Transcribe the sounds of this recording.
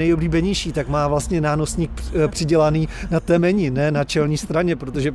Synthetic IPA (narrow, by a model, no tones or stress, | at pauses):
ɛjobliːbɛɲɛjʃiːt̪akmaːvlast̪ɲɛnaːno̞sɲiːk̚pr̥ɪɟɛlaniːnat̪ɛmɛɲɪnɛːnat͡ʃɛlɲiːst̪ɾaɲɛpɾot̪o̞ʒɛ